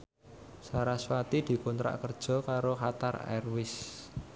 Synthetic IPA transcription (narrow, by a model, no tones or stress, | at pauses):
saɾaswat̪id̪̥i̤kunt̪ɾa̰ʔkərd̥ʒ̥ɔ̤kaɾoɦat̪arɛ̰rwɪs